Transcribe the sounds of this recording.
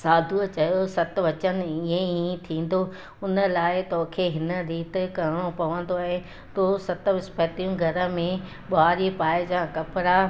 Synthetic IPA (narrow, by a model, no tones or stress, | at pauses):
saːd̪ʱuət͡ɕɐjosɐt̪̆ʋɐt͡ɕən̆ĩɦẽit̪ʰĩːn̆d̪o | ʊnə̆laːɪt̪ɔɦkʰeɦɪnə̆ɾiːt̪kɐɾɪɽ̃opɐʋə̃n̆d̪oaːɦe | t̪osɐt̪ʋɪspət̪ijũɡʱɐɾə̆mẽ | ɓʊɦaːɾipaːɪd͡ʑãːkɐpɾa